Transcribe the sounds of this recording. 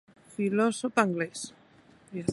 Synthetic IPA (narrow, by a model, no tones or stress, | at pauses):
filosopaŋɡles | jas